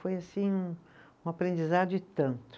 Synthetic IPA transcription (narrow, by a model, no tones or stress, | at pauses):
fojasĩũ | ũapɾẽd͡ʒizad̪ʊɪt̪ɐ̃nt̪ʊ̥